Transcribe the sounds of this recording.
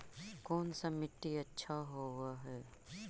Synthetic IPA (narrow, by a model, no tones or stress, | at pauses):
kɔːnsamɪʈːiɐtːʃʰaɦoːwaɦɛː